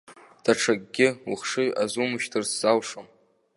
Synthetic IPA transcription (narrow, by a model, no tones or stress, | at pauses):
d̥aʈ͡ʂʰaɡɡʲɪwuχʂɨjazumɨʃtʰɨrsz̥awʂom